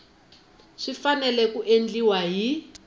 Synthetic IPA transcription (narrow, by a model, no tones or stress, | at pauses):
ʂifanɛlɛkuʔend͡ɮiwaɦi